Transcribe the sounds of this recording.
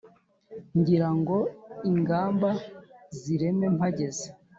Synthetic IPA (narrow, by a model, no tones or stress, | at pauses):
ɲɟiɾaŋɡo̞iŋɡaːmbaziɾe̞me̞maɟe̞ze